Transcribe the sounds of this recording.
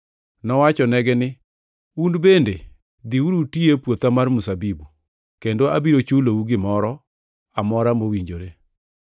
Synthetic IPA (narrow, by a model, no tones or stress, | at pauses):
nɔwat͡ʃɔnɛɡɛnɪ | undbende | d̪iwuɾutiepwot̪amarmusabibu | kendoabiɾot͡ʃulouɡɪmɔɾɔ | amɔɾamowiɲd͡ʒoɾe